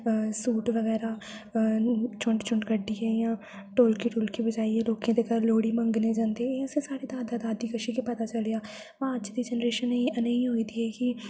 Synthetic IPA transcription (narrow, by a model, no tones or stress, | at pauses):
suːʈʋəɣɛːɾaː | t͡ʃʊ̃ɳɖt͡ʃʊ̃ɳʈkəɖiːɦɛːjãː | ʈoːlkiʈoːlkibəd͡ʒaːiɦɛːloːkẽd̪ekəlloːɽiːmə̃ŋɡneːd͡ʒãːnd̪eeːʊsesaːɽed̪aːd̪ad̪aːd̪iːkəʃikipət̪aːt͡ʃəlejaː | ʋãəd͡ʒd̪iːd͡ʒɛnɾeːʃənːĩənəĩɦoːid̪iːɦɛːkɪ